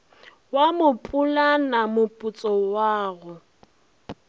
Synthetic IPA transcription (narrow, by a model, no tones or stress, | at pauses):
wamʊpʼulanamʊpʼut͡sʼɔwaːɣʊ